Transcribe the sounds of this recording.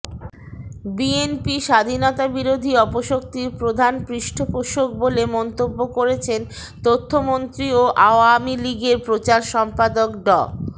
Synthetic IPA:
bienpiʃad̪ʱinɔt̪abiɾod̪ʱiɔpoʃok̚t̪iɾpɾod̪ʱanpɾiʃʈʰopoʃok̚bolemɔnt̪obːokoɾet͡ɕʰen | t̪ot̪ʰːomont̪ɾioʔaoamiliɡeɾpɾot͡ɕaɾʃɔmpad̪okɖɔ̰

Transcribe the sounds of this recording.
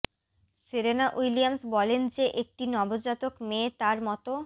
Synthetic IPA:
siɾenaʔujliamsbɔlend͡ʑeʔek̚ʈinɔbod͡ʑat̪okmet̪aɾmɔt̪o

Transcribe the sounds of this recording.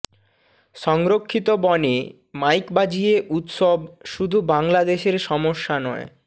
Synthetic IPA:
ʃɔŋɾokʰːit̪obɔne | majkbad͡ʑieʔut̪ʃobʃud̪ʱubaŋlad̪eʃeɾʃɔmoʃːanɔe

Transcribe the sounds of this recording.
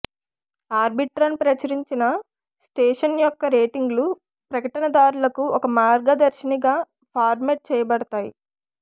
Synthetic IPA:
aːɾbiʈɾɐnpɾɐt͡ʃɐɾiɲt͡ʃinɐ | sʈeːʂɐnjɔkːɐɾeːʈiŋɡlu | pɾɐkɐʈɐnɐd̪aːɾulɐkuʔɔkɐmaːɾɡɐd̪ɐɾʃiniɡaː | pʰaːɾmeʈ̚t͡ʃɛːjɐbɐɽɐt̪aːjḭ

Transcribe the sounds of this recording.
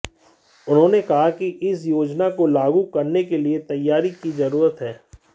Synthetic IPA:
ʊnɦõːnekɐɦakiʔɪsjoːd͡ʒnakolaːɡukɐɾnekeliet̪ɐjːaːɾikizɐɾuːɾət̪ɦɛː

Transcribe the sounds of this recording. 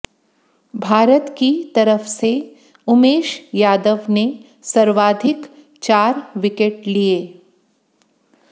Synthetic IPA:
bʱaːɾət̪kit̪ɐɾəfse | ʊmeːʃjaːd̪əʋne | səɾʋaːd̪ʱɪk | t͡ʃaːɾʋɪkeʈ̚lieː

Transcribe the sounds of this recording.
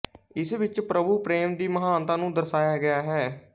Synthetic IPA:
ɪsʋɪt͡ʃpɾəbuːpɾeːmd̪iːməɦaːnt̪ãːnũːd̪əɾsaːjaːɡɪaːɦɛː

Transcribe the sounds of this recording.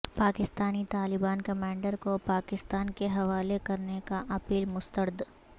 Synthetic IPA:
paːkɪst̪aːnit̪aːlɪbaːnkɐmãːɳɖəɾkopaːkɪst̪aːnkeɦɐʋaːlekɐɾnekaʔɐpiːlmʊst̪əɾd̪

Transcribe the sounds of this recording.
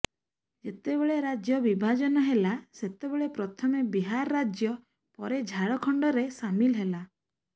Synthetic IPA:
d͡ʒet̪ebeɭeɾad͡ʒjɔbibʱad͡ʒɔnɔɦelaset̪ebeɭepɾɔt̪ʰɔmebiɦaɾɔːad͡ʒjɔ | pɔɾed͡ʒʱaɽɔkʰɔɳɖɔɾesamilɦela

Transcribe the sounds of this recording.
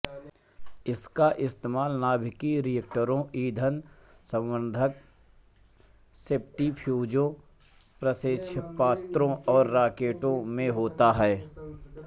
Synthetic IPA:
ɪskaʔɪst̪eːmaːlnaːbʱɪkiɾijək̚ʈəɾõʔiːd̪ʱənsə̃mʋə̃nd̪ʱək̚ | seːp̚ʈipʰjuːd͡ʒõ | pɾəsɪʃʰpaːt̪ɾõɔːɾːaːkeːʈõmẽɦoːt̪aɦɛː

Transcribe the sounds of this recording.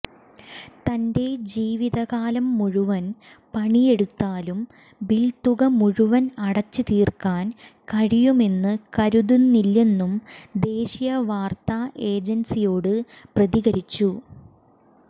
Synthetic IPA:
t̪ɐnde̞d͡ʑiːʋiðɐɣaːlɐmːuɻuʋɐn | pɐɳije̞ɽut̪ːaːlum | bilt̪uɣɐmuɻuʋɐnɐɽɐt͡ɕːɨt̪iːrkaːnkɐɻijume̞nːɨkɐɾuðunnilːe̞nːumd̪e̞ːɕijɐʋaːrt̪aʔe̞ːd͡ʑɐnsijoːɽɨ | prɐðiɣɐɾit͡ɕːu

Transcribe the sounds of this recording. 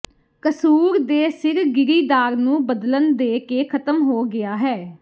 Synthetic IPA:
kəsuːɾd̪eːsɪɾɡɪɾiːd̪aːɾnũːbəd̪lənd̪eːkeːkʰət̪əmɦoːɡɪaːɦɛː

